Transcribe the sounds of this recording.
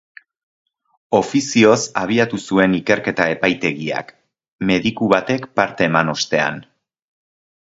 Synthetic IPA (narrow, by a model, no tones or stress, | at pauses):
o̞fisio̞saβ̞iat̪usue̞nike̞ɾke̞t̪ae̞pajt̪e̞ɣia̰k | me̞ðikuβat̪e̞kpaɾt̪e̞ːmano̞st̪e̞a̰n